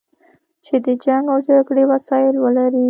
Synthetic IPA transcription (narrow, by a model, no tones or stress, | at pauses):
t͡ʃed̪əd͡ʒaŋɡawd͡ʒaɡɽewasɑɪlwəlaɾi